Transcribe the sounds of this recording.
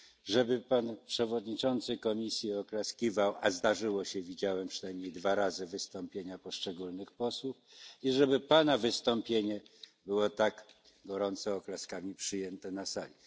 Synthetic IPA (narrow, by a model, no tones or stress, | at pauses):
ʐɛbɘpanpʂɛvɔd̪ɲit͡ʂɔnt̪sɘkɔmʲisʲjiɔklaskʲivawazd̪aʐɘwɔɕɛvʲid͡ʑawɛmpʂɨnajmɲejd̪vaɾazɘvɘst̪ɔmpʲjeɲapɔʂt͡ʂɛɡulnɘxpɔswufiʐɛbɘpanavɘst̪ɔmpʲjeɲɛbɘwɔt̪aɡ | ɡɔɾɔnt̪sɔːklaskamʲipʂɘjɛnt̪ɛnasalʲi